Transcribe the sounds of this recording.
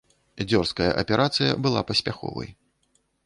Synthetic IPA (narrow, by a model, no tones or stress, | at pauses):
d͡zʲɔrskɐjɐ̰ʔɐpʲɛɾʔat̪sɨjɐ̰bɨlˠa̰pɐsʲpʲaxɔ̰vɐ̰j